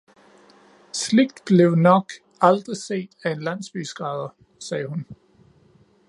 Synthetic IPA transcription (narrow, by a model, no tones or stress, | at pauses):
sle̝ɡ̥̚d̥b̥le̝ʊnɒ̽ɡ̥ | ɑ̈ld̥ʁise̝̰ːd̥æe̝nlæn̰sb̥y̰sɡ̥ʁɑ̈ːð̞ˠɐ | sɛːhun